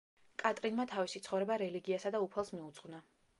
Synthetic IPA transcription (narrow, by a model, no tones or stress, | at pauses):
kʼat̪ʼɾinmat̪ʰavisit̪sʰχɔvɾɛbaɾɛliɡiasad̪aupʰɛlˠsmiut̪sʼʁvna